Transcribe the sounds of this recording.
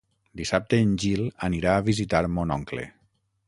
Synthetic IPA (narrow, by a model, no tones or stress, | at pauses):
d̪isap̚t̪eːnʲʒiləniɾaːβizit̪aɾmɔnɔŋklḛ